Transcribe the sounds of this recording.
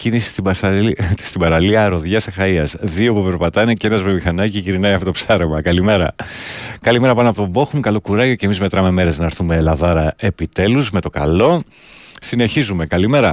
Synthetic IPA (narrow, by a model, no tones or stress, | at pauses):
cinisi̥st̪iɐsst̪ibɐɾɐliɐɾo̞ðʝɐsexɐiɐsðio̞pupe̞ɾpɐt̪ɐneceenɐzmemixɐnɐciʝiɾinɐjɐfo̞t̪opsɐɾemɐkɐlime̞ɾɐ̰kɐlime̞ɾɐpɐnoɐpo̞t̪obo̞xumukɐlo̞kuɾɐʝo̞ce̞mizme̞t̪ɾɐme̞meɾe̞znɐɾθume̞lɐðɐɾɐe̞pit̪e̞luzme̞t̪o̞kɐ̰lo̞sine̞çizume̞kɐlime̞ɾɐ